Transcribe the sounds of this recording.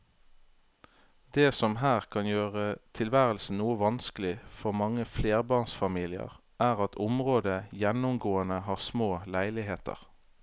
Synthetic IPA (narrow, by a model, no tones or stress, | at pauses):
d̪̥eːsɔmɦæːʁkʰɑnjøːʁət̪ʰɪlʋæːʁəlsn̩nuːəʋɑnskəlɪfɔʁmɑŋəfleːʁbɑːʁnsfɑmiːlɪə̰ʁ | ʔæːʁɑt̪ʰʊmʁoːd̪əjɛnʊmɡoːənəhɑːʁsmoːlæɪlɪɦeːt̪ʰə̰ʁ